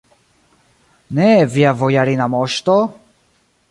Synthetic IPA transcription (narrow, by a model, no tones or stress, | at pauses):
nɛviavɔjaɾinamɔʃt̪ɔ